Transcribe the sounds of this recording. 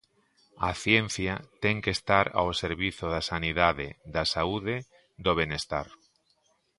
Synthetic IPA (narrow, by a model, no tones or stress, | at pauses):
aθjen̟θjat̪ɛŋkest̪aɾa̰oseɾβiθoð̞asaniðaðḛðasauðe | d̪oβ̞enest̪a̰ɾ